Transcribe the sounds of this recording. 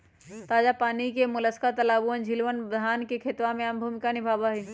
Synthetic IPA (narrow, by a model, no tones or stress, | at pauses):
t̪aːd͡ʒapaːnikemʊləskat̪ɐlaːbuənd͡ʒʱilʋənbd̪ʱaːnkekʰet̪ʋamẽanbʱuːmɪkanibʱaːbaɦe